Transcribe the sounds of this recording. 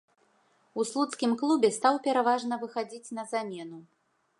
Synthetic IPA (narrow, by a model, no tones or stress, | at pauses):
uslˠut̪skʲimklˠubʲɛst̪awpʲɛɾavaʐnɐvɨxad͡zʲit͡sʲnɐzamʲɛnu